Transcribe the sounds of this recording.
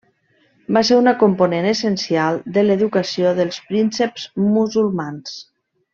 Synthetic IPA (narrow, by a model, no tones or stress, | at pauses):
baseɾunəkomponenəsənsialˠd̪ələðukəsioðəlˠspɾinsəpz̥muzulˠmans